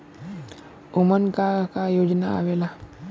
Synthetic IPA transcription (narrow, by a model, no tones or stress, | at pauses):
umənkakajod͡ʑnaa̰ʋela